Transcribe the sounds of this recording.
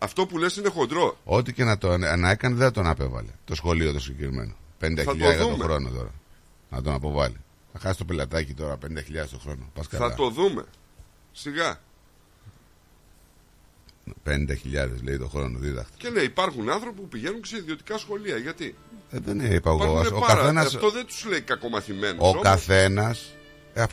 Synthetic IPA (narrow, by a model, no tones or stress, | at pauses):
ɐft̪o̞pulesinexo̞nd̪ɾo̞o̞t̪ice̞nɐt̪onenɐe̞kɐneðeɐt̪onɐpe̞vɐ̰lḛt̪o̞sxo̞liot̪osiɟekɾime̞̰no̞̰penind̪ɐçɐiʎɐkɐut̪omxɾo̞not̪o̞̰ɾɐ̰ | nɐt̪onɐpo̞vɐlḭ | ɐxɐsist̪o̞pelɐt̪ɐcit̪o̞ɾɐpenind̪ɐçiʎɐðest̪o̞xɾo̞no̞pɐskɐlɐ̰t̪oðume̞̰ | siɣɐ | penind̪ɐçiʎɐðezleit̪o̞xɾo̞noðiðɐ̰xt̪e̥eneipɐɾxunɐnθɾo̞pipupiʝe̞nunceseiðio̞t̪i̥kɐsxo̞liɐʝɐt̪iðeneipɐɣookɐθenɐsst̪oðent̪u̥zleikɐko̞mɐθimenuokɐθe̞nɐs | ef